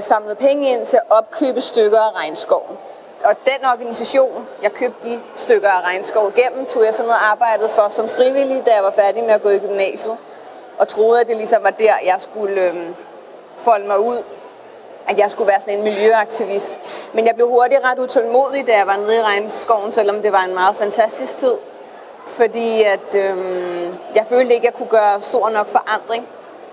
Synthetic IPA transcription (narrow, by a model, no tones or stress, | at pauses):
sɑ̈mləð̩ˠpʰeŋəe̝n̰t͡sʰe̝læʔɒ̽b̥̚kʰø̰ːb̥əsd̥øɡ̥ɐæʁɑ̈ɪnsɡ̥ɒʊ̰n̩ | ɒ̽d̥enɒɡ̥ænisæɕo̝̰ːnjɑ̈ɪkʰøːb̥̚d̥isd̥øɡ̥ɐæʁɑ̈ɪnsɡ̥ɒʊiɡ̥em̰m̩t͡sʰo̝̰ːjɑ̈ɪsɒ̽nːoð̩ˠɑ̈ːb̥ɑ̈ɪ̰d̥ð̩ˠfɒ̽sɒ̽mfʁiʋil̰id̥æjɑ̈ɪʋɑ̈fæɐdimeæɡ̥ɔ̰̽ːiɡ̥ymnɛ̰ːɕəð̩ˠ | ʔɒ̽t͡sʰʁo̝ːð̞̩ˠæd̥e̝lisɒ̽mʋɑ̈d̥æɐ̰jɑ̈ɪsɡ̥ulø | fɒ̽ləmɑ̈ɪuð̰ˠ | æd̥jɑ̈ɪsɡ̥uʋæːɐsɒ̽ne̝nmiljøɑ̈ɡ̥̚t͡sʰiʋisd̥menjɑ̈ɪb̥le̝ʊho̝ɐdiʁɑ̈d̥ut͡sʰelmo̝ːð̞ˠid̥æjɑ̈ɪʋɑ̈neðˠiʁɑ̈ɪnsɡ̥ɒʊn̩sel̰ɒ̽md̥e̝ʋɑ̈e̝nmɑ̈ːð̞̩ˠfænt͡sʰæsd̥isɡ̥̚t͡sʰið̞̰ˠ | fɒ̽d̥ḭːæd̥ømjɑ̈ɪføːld̥əe̝ɡ̥əjɑ̈ɪkʰuɡ̥ɶːɐsd̥o̝ɐ̰nɒ̽ɡ̥fɒ̽ʔɑn̰d̥ʁeŋ